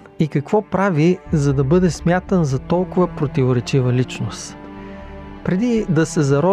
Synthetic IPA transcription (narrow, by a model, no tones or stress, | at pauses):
ikɐkvɔpɾavizɐd̪ɐbɤd̪ɛsmʲjat̪ənzɐt̪ɔlˠkʊvəpɾot̪ivoɾɛt͡ʃivəlit͡ʃnos | pɾɛd̪id̪ɐsɛzɐɾɔ